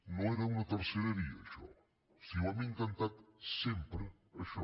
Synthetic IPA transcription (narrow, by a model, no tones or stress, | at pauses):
nõeɾɐunɐt̪ɐɾseɾeɾiɐaʃɔ̰ | siwamiŋk̪ant̪at̪sempɾə | ɐʃɔ